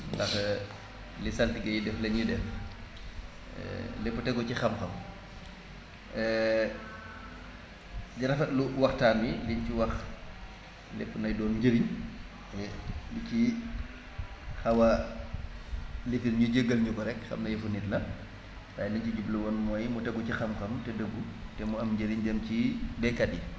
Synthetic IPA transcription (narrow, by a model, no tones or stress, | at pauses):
dɐx | lisɐltiɡɐjidɛflɐɲudɛf | lɛpːutɛɡɔcixɐmxɐm | ɛ | diɾɐfɐluwɐxtaːniliɲciwɐx | lɛ̰pːunɐjdɔːnɟəɾiɲ | ɛlici | xɐwɐ | lifilɲuɟeɡːəlɲuɡɔɾɛkxɐ̰mnɐjefunitlɐ | tajliɲt͡ʃiɟublɐwɔnmɔːjmɔtɛɡɔcixɐmxɐmtɛdəɡutɛmɔɐmɲɟəɾiɲd͡ʒɐmcibɛkːɐɗi